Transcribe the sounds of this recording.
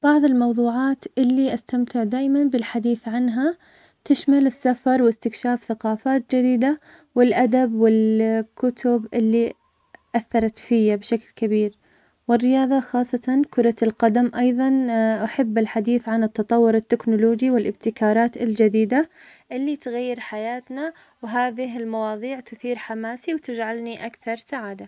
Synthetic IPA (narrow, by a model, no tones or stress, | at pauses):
b̥ɑʕðˤɪlmɑwðˤuːʕɑːt̪ʔɪlːiʔast̪amt̪ɪʕd̪aːʔmanbɪlħad̪iːθʕanɦa | t̪ɪʃmalɪsːafɑɾˤwɪst̪ɪkʃaːfθaqɑːfaːt̪̚d͡ʒɪd̪iːd̪a | wɪlʔad̪abwɪlkʊt̪ʰʊbʔɪlːi | ʔaθːɑɾˤɑt̪fɪjːabʃaklkabiːɾ | wɪrːɪjɑːðˤɑxɑːsˤːɑt̪ɑnkʊɾˤɑlqɑd̪amʔɑjðˤɑnʔaħabːɪlħad̪iːθʕanɪt̪ːɑt̪ˤɑwːʊɾɪt̪ːɪknʊloːd͡ʒiwɪlʔɪb̚t̪ɪkɑːɾˤɑːt̪ɪld͡ʒɪd̪iːd̪a | ʔɪlːit̪ɣajːɪɾħajaːt̪na | wɦaːðɪɦɪlmɑwɑːðˤiːʕt̪ʊθiːɾħamaːsiwt̪ɪd͡ʒʕalniʔakθɑɾˤsaʕaːd̪a